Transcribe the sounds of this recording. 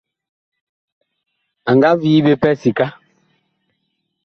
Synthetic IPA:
a˨ŋɡa˦viː˦be˦pɛ˦si˨ka˦

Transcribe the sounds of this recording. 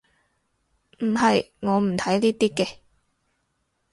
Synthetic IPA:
m̩˨˩ɦɐ˨jŋɔː˨˧m̩˨˩t̪ʰɐ˨˥jliː˥t̪iː˥kɛː˧

